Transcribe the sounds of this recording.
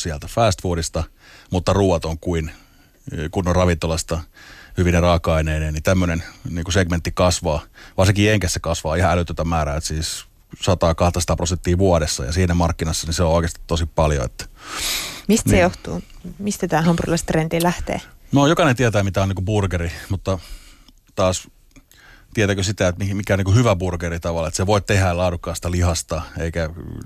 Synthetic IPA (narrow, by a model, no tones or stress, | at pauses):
siælt̪æfæːst̪fuːdist̪ɑ | mut̪ːɑruːʋɑt̪oŋkuin | kunːorɑʋint̪olɑst̪ɑhyʋinerɑːkːˑɑineːneːnit̪æmːønenniːkuseɡ̥ment̪ːikɑsʋɑːʋɑrsiŋkieŋkæsːekɑsʋɑːihɑælyt̪ːøt̪æmæːræːet̪siːs | sɑt̪ɑːkɑht̪ɑsɑt̪ɑːprosent̪ːiːʋuɑdesːɑ̰jɑ̰siːnæmɑrkːinɑsːɑniseooˑikest̪i̥t̪t̪osippɑljo̰ḛt̪ːæ̥ | mist̪sejoht̪ṵːmist̪æt̪æːɦɑmpurlɑst̪rend̪ilæht̪ḛːnojokɑnent̪iɛt̪æːmit̪æoniːkuburkerimut̪ːɑ | t̪ɑːs | t̪iet̪æːkøsit̪æet̪mimikæoniːkuhyʋæburkerit̪ɑʋɑlːet̪seʋoitt̪ehælɑːdukːɑːsi̥t̪ælihɑst̪ɑeikæ